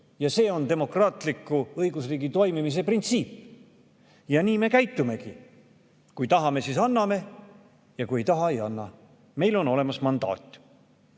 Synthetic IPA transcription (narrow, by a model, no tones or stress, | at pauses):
jɑse̞ːo̞nt̪e̞mo̞krɑːt̪likːˑuɤjɡ̥usriːɡit̪o̞jmimis̬e̞print̪siːp | jɑniːme̞kæjt̪ːˑume̞ki | kujt̪ɑɦɑme̞sisɑnːɑme̞ | jɑkuje̞jt̪ɑɦɑe̞jɑnːɑ | me̞jlo̞no̞le̞mɑsmɑnd̪̥ɑ̰ːt̪ʲːˑ